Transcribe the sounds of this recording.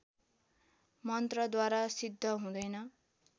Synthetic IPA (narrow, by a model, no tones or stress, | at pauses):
mʌnt̪rʌd̪waɾasid̪ʱːʌɦũd̪ʌjnʌ